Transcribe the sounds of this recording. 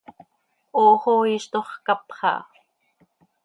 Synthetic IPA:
oːχoiːʃt̪oχkapχɑ̰

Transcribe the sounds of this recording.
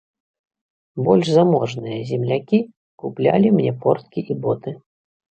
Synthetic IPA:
bɔlʲʂzamɔʐnɨjɐzʲɛmlʲakʲi | kuplʲa̰lʲimnʲɛpɔrt̪kʲiʔibɔt̪ɨ

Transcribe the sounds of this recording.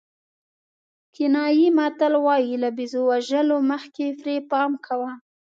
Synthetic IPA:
kɪnɑjimɑt̪əlwɑjilabizowaʒəloməxkefɾepɑmkʰawa

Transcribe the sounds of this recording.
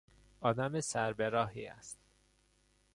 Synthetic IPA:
ɒːd̪æmesæɾbeɾɒːɦiːæ̰st̪

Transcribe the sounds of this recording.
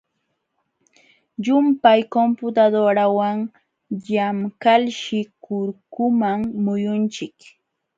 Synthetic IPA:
jʊmpajkompʊt̪ad̪oɾawaŋ | jamkalʃɪkʊɾkʊmaŋmʊjʊnt͡ʃɪk

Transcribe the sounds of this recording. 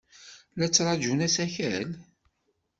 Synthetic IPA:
læt͡sːɾˤɑd͡ʒunæsæçæl

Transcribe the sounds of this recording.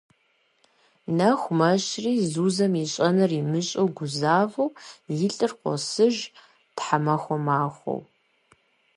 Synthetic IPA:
nɐxʷmɐɕriːzuːzɐmiɕʼɐnɨrimɨɕʼowɡʷʊzaːvɐwjɪɬʼɨrqʷɔ̰sɨʒ | tħamɐxʷɔmaːxʷo̰w

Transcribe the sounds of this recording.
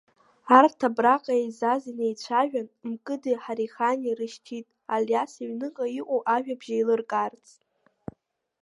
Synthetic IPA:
artʰabraqʼaejzazinejt͡ɕʷʰaʒᶣanmkʼɨdɨħaɾiχanirɨʃtʰitʼaljasiɥnɨqʼaiʔʷʼoʔaʒᶣabʒailɨrkʼart͡sʼtʼ

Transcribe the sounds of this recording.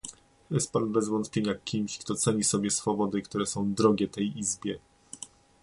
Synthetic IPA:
jɛst̪̚panbɛzvɔnt̪pʲjeɲakʲʰimɕkt̪ɔt̪sɛɲisɔbʲjɛsfɔbɔd̪ɘkt̪uɾɛsɔ̃w̃d̪ɾɔɡʲɛt̪ɛjizbʲjɛ

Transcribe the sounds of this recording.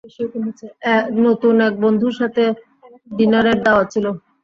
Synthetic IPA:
beʃiokoɦot͡ɕʰeɛnot̪unɛk̚bond̪ʱuɾʃat̪ʰe | ɖinaɾeɾd̪aoat͡ɕʰilo

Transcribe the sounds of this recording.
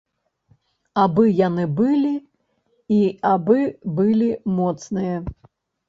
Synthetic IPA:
abɨjanɨbɨlʲi | iabɨbɨlʲimɔt̪snɨjɐ

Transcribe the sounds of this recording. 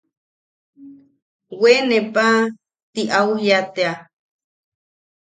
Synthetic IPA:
wenepa | t̪iʔaujat̪ea

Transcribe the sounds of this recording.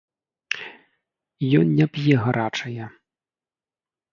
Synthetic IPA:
jɔnnʲɛpjɛɣaɾat͡ʂɐjɛ

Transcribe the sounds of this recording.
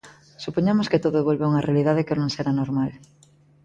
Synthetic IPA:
supoɲamosket̪oðoeβ̞olβeuŋarealiðaðekenõŋseɾanoɾmal

